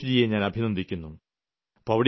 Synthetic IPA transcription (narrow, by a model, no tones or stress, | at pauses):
d͡ʑijeɲaːnɐbʱinond̪ʱikʲːunːu | pɐʋɐɽ